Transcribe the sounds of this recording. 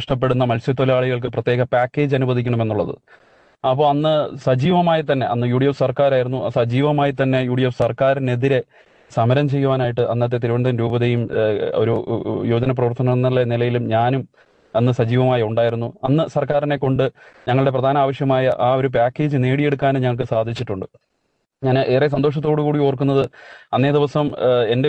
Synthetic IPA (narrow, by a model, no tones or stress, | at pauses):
ɐʂʈɐp̬ːe̞ɽunːɐmɐlsjɐt̪olaːɭiɣɐɭk̬ɨprɐt̪ːjeːɣɐpaːkːe̞ːd͡ʑɐnubɐðikʲːɐɳɐme̞nːuɭːɐðɨ̰ | ɐpːo̞ːɐnːɨsɐd͡ʑiːʋɐmaːjit̪ɐnːe̞ɐ̰nːɨjuːɽijɐfsɐrkaːɾaːjiɾunːuɐsɐd͡ʑiːʋɐmaːjit̪ɐnːe̞juːɽijɐfsɐrkaːɾine̞ðiɾe̞ | sɐmɐɾɐmt͡ɕe̞jːuʋaːnaːjiʈːɨʔɐ̰nːɐt̪̬ːet̪iɾuʋɐnd̪ɐnɾuːbɐðɐjumo̞̰ɾujo̞ːd͡ʑɐnɐp̬rɐʋɐrt̪ɐnɐnːɐlːɐnilɐjilumɲaːnum | ɐnːɨsɐd͡ʑiːʋɐmaːjɐuɳɖaːjiɾunːuɐnːɨsɐrkaːɾinekːo̞ɳɖɨɲɐŋːɐɭɨɽe̞p̬rɐd̪ʱaːnɐaːʋɐʂjɐmaːjɐʔaːo̞ɾup̬aːkːe̞ːd͡ʑɨne̞ːɽije̞ɽuk̬ːaːneɲɐŋːɐɭk̬ɨsaːd̪ʱit͡ɕːiʈːuɳɖɨ | ɲaːnɨʔeːrɐs̬ɐnd̪o̞ːʂ̬ɐt̪̬ːoːɽukuːɽioːrkunːɐðɨɐnːe̞ːd̪iʋɐsɐme̞nde